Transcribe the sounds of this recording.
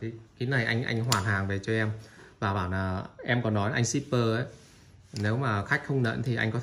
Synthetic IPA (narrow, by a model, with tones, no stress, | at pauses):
i˨˩ki˨˦na˨˩jʔa̰˧jŋ̟ʔa̰˧jŋ̟ɦwaː˨˩nɦaː˨˩ŋve˨˩t͡ɕɔ˧ʔɛ˧mvaː˨˩ɓaː˧˩wnlaː˨˩ʔɛ˧mkɔ˨˦nːɔ˨˦jʔa˧jŋsi˦˥pːəː˧ə˨˦ | ne˨˦wmaː˨˩xa˦˥jk̟̚xə˧wŋ͡mnə̰ː˧˥nt̪ʰi˨˩ʔa˧jŋ̟kɔ˨˦t̪